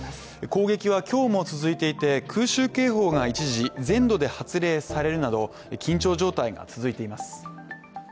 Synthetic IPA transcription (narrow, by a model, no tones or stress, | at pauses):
eko̞ːɡe̞kʲiβ̞akʲo̞ːmo̞t͡sɨzɨit̪e̞it̪e̞kʰɯ̟ːɕɨːke̞ːɦo̞ːɡait͡ɕiʑizẽ̞nd̪o̞d̪e̞hat͡sɨɾe̞ːsaɾe̞ɾɯ̟nad̪o̞ | ekʲʰĩɲt͡ɕo̞ːʑo̞ːt̪aiɡa̰t͡sɨzɨit̪e̞imasɨ̥